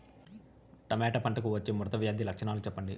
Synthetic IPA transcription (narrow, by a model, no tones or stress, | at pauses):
ʈɐmɛːʈɐpɐɳʈɐkuʋɐt͡ʃːeːmuɾɐt̪ɐʋjaːd̪ilɐkʂɐnaːlut͡ʃɛpːɐɳɖi